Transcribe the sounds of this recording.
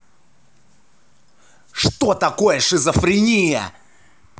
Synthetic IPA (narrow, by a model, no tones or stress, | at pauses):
ʂt̪ot̪ɐkojəʂɨzɐfɾʲɪnʲijɐ̰